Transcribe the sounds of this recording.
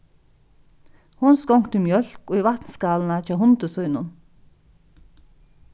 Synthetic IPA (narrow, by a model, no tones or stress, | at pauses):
hʊnskɔŋkt̪ɪmjœl̥koːivat̪nskɑːln̩at͡ʃaɦʊnt̪əsœʏnʊn